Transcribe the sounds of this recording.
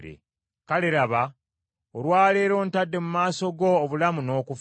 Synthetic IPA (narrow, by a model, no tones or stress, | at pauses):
ɾḛ | kaleɾaβa | oɾwaːle̞ːɾo̞ːntadːe̞mumaːso̞ɡo̞ːβulamuno̞ːkuf